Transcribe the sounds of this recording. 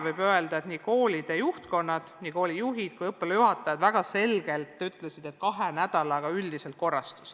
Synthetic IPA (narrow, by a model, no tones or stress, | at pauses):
vɤjbøe̞ld̪̥ɑet̪niːko̞ːlid̪̥ejuht̪ko̞nːɑd̪̥niːko̞ːlijuɦid̪̥kujɤpːˑeljuɦɑt̪ːˑɑjɑd̪væɡ̥ɑse̞lɡ̥e̞lt̪ːˑyt̪ːˑlesid̪̥e̞t̪̚kɑɦe̞næd̪̥ɑlɑɡ̥ɑyld̪iselt̪̚ko̞rːɑst̪u̥s